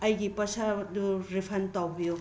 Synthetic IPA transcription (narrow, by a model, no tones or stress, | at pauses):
ɐjɡipɐsaduɾipʰantawbijo